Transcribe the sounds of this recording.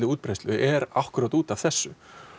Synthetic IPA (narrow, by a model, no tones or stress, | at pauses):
lɪuːt̪̚pɾejst̪lʏʔɛɾafkʏɾat̪uːt̪av̥θɛsːʏ